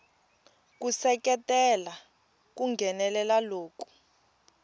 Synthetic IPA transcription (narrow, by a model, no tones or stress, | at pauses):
k̬usɛk̬ɛtɛla | k̬uŋɡʱɛnɛlɛlaloːku̥